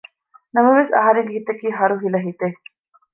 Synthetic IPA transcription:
nɐmɐʋesɐ̰ɦɐɾeŋɡeɦit̪ɐkiːɦɐɾuɦilɐɦit̪e

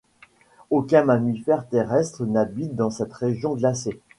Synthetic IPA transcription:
okʲɛ̃mamifɛʁt̪eʁɛst̪χənabit̪̚d̪ɑ̃sɛt̪ʁeʒjɔ̃ɡlase

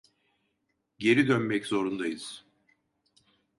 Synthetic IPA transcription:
ɟe̞ɾid̪ønmɛczo̞ɾund̪ajɯz̥

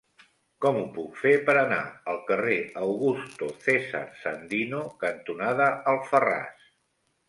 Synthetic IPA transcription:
kɔmupukfepəɾəna̰əlˠkəreəwɣust̪oθezə̰ɾsənd̪inokənt̪unaðəəlˠfəra̰s

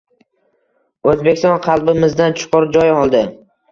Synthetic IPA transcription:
ɵzbekʲɪst̪ɒnqʰɑlˠbɪmɪzd̪ant͡ʃʰʊ̥qʊɾd͡ʒɒjɒlˠd̪ɪ

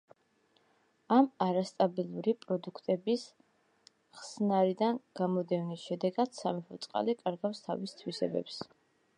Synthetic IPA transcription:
amaɾast̪ʼabilˠuɾipʼɾɔd̪ukʰt̪ʼɛbis | χsnaɾid̪anɡ̥amɔd̪ɛvnisʃɛd̪ɛɡad̪̥samɛpɔt̪sʼqʼa̰likʼaɾɡafst̪ʰa̰vist̪ʰwisɛ̰bɛ̰ps

